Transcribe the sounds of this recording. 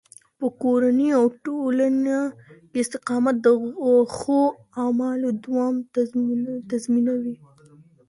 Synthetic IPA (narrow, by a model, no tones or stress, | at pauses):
pəkoɾaneawʈolanakeɪst̪ɪqɑmat̪̚d̪əaxo | amɑlod̪wɑmt̪azminawi